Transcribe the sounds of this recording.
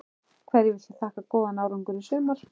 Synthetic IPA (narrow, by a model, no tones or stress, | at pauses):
kʰvɛːɾjɪvɪlsḁt̪ʰaːhkakɔːðanawɾʏŋkʏɾisʏːmaɾ̥